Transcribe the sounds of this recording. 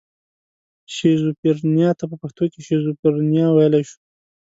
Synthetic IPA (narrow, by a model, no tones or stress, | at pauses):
ʃezupiɾnjɑt̪apəpaxt̪okeʃezupɪɾnijɑwajlaʃu̥